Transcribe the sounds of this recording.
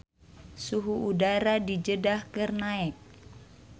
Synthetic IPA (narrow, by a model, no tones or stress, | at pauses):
suɦuʔudaɾadid͡ʒədahkɨrnaɛk̚